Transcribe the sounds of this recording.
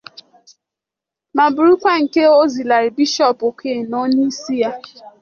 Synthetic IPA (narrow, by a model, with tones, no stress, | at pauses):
ma˨bʊ˨ɾu˦kʷa˦ŋ̩˨ke˦o˦zi˨la˨ɾi˨bi˦ʃɔ˦˨po˨kʰe˦˨nɔ˦ni˦si˦ja˦